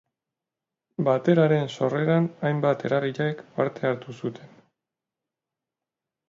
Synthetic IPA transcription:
bat̪e̞ɾaɾe̞nso̞re̞ɾanajmbat̪e̞ɾariʎaekpaɾt̪e̞aɾt̪usut̪ʰe̞n

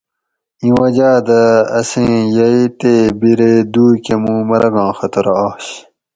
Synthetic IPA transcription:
ĩwɐd͡ʑaːd̪ɐɐsẽːjɐit̪ebiɾeːd̪uːkemũːmɐɾɐɡɑ̃ːxɐt̪ɐɾːɕ

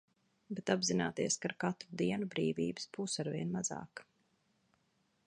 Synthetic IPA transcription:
bɛt̪abzinaːt̪iɛskaɾkat̪ɾud̪iɛnubɾiːvḭːbɨ̥sbuːsaɾviɛnmaza̰ːk

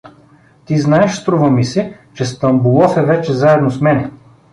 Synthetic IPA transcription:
t̪iznaɛʃst̪ɾuvəmisɛt͡ʃɛst̪ɐmbulˠɔfɛvɛt͡ʃɛzaɛd̪nosmɛnɛ

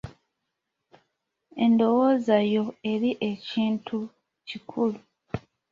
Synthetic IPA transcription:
e̞ndo̞wo̞ːzajo̞e̞ɾiʔe̞ciːntʰu | cikʰulu

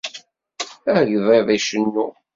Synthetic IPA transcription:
æɾʝðˤeðˤæʃənːu

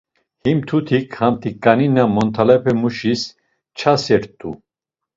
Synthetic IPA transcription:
himt̪ʰut̪ʰikʰhamt̪ʰikʼːaninamɔnt̪ʰalɛpʰɛmuʃis | t͡ʃʰasɛɾt̪ʰʼu

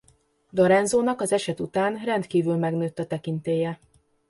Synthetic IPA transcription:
d̪oɾɛnzoːnɒkɒzɛʃɛt̪ut̪aːnrɛnt̪kiːvylmɛɡnøːt̪ːɒt̪ɛkint̪eːjɛ

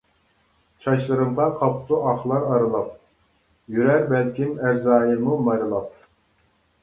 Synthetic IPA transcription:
t͡ʃʰɑʃlˠɨɾɨmd̪ɑqʰɑpʰt̪ʰuʔɑχlˠɑɾɑɾɨlˠɑp̚ | jyɾæɾbælkʲʰimæɾzɑːjɨmumɑɾɨlˠɑp̚

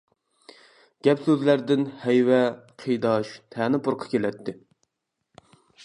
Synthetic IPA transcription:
ɡ̥ʲɛpsøzlæɾd̪ɪnhɛjwɛqʰɨjd̪ɑʃt̪ʰɛːnɨpʰʊɾqʰɑ̥kʲelɛt̪ʰːɪ

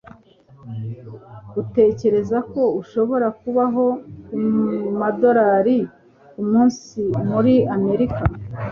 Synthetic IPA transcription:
ute̞ːce̞ɾe̞zako̞uʃo̞βo̞ɾakuβaɦo̞kumado̞ɾaːɾi | kumuːnsimuɾiame̞ɾika

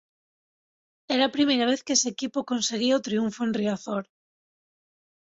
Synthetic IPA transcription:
ɛɾaːpɾimejɾaβ̞eθkeesekipokõnseɣ̞iaot̪ɾiuɱfoẽnriaθoɾ

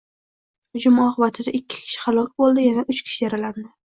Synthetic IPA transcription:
hʊd͡ʒʊmɒqɨbat̪ʰɪd̪aʔɪkʲʰːɪ̥kʲʰɪ̥ʃɪ̥χalˠɒk̚ʲbolˠd̪ɪjanaʔʊt͡ʃkʲʰɪ̥ʃɪjaɾaland̪ɪ

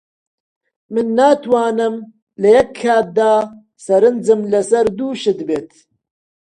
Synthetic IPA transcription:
mɨnːaːt̪ʰwaːnɨm | lɐjɐkʰːaːt̪̚d̪aː | sɐɾɨnd͡zɨmlɐsɐɾd̪uːʃɨd̪beːt̪

